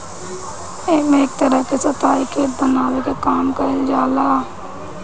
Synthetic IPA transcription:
eːmẽeːk̚t̪əɾəkesɐt̪aːikebənaːwekekaːmkɐɾd͡ʒaːlaaː

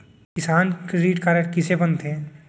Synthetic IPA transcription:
kɪsaːnkɾɪɾiːʈkaɾekɪsebɐnt̪eɦɛ̃

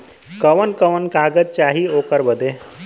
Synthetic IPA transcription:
kəʋənkəʋənkaɡət̪̚t͡ʃaɦiokəɾbəd̪e

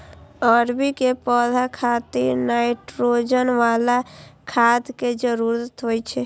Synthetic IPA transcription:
ɔɾbikepɔd̪ʱakʰat̪iɾnajiʈɾod͡ʒənʋalakʰad̪ked͡ʒəɾuɾət̪ɦojt͡ʃʰɛ

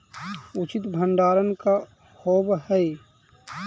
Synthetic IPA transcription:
ʊt͡ʃɪt̪bʱə̃ɳɖaːɾənka | hoːbhɛe

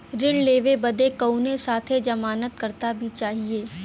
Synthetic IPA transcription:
ɾɪnleːʋebɐd̪ekəunesaːt̪ʰed͡ʒɐmaːnət̪kɐɾt̪abʱit͡ʃaːɦieː

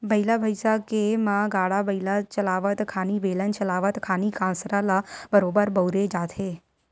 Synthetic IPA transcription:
bəilabʱəjsakemãɡaɽabəilat͡ʃəlaʋət̪kʰaniʋelənt͡ʃəlaʋət̪kʰanikãsɾalabəɾobəɾbəwɾed͡ʒat̪ʰe

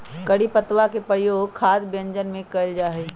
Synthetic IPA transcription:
kɐɽipət̪wakepɾəɽjoːɡkʰaːd̪bjə̃ɲd͡ʒənmẽkəld͡ʒaːɦeː

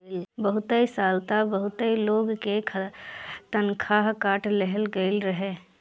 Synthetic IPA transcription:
lbəɦʊt̪əisaːlt̪abəɦʊt̪əiloːɡkekʰt̪ənkʰaɦkaːʈʰlɛɦəlɡəɪlɾɐɦeː

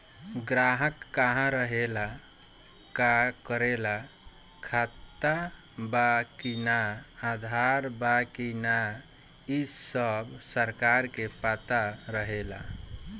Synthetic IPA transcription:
ɡɾaɦəkːaɦãɾəɦela | kakəɾela | kʰat̪ːa | bakinaːd̪ʱaɾbakina | isəbsəɾkaɾkepat̪aɾəɦela

